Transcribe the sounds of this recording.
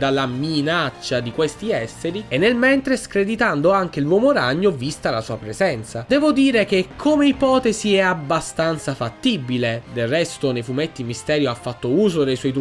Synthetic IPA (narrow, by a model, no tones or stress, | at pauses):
d̪alaminat͡ʃːad̪ikwest̪iɛsːeɾienːelmɛnt̪ɾeskɾed̪it̪and̪oaŋk̟elwɔmoɾaɲːovist̪alasuːapɾezɛnt̪sad̪ɛːvod̪iːɾek̟ekʰːomeipɔːt̪eziɛabːast̪ant̪safat̪ːibiled̪elrɛst̪onejfumet̪ːimist̪ɛːɾjoafːat̪ːouːzod̪ejswɔjt̪